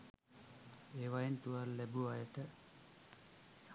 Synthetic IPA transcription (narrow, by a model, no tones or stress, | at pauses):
eːʋajint̪uʋalːæbuajəʈə | s